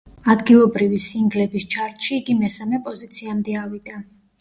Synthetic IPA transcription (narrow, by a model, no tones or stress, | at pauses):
ad̪ɡilˠɔbɾivisiŋɡlɛbist͡ʃʰaɾt̪ʰʼʃiːɡimɛsamɛpʼɔzit̪sʰiamd̪ɛavid̪a